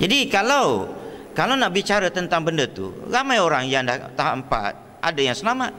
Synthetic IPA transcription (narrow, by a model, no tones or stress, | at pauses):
d͡ʒadikalawkalawnabit͡ʃaɾat̪ənt̪aŋbəndat̪ṵɾamajoɾaŋjaŋdaht̪aɦaəmpa̰t̪̚ | ʔa̰dajaŋsəlamat̪̚